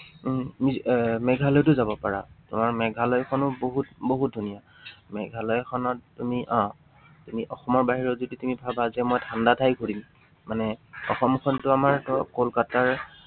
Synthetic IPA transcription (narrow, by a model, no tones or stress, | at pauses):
mimɛɡʱalɔjtʊzabɔpaɹa̰tʊmaɹmɛɡʱalɔjkʰɔnʊboɦut̚boɦut̚dʱunija | mɛɡʱalɔjkʰɔnɔtːumiʔã | tumiʔɔxɔmɔɹbaɦiɹɔzoditumibʱabazɛmɔjtʰandatʰajɡʱuɹim | manɛɔ̰xɔmkʰɔntʊamaɹkolkataɹ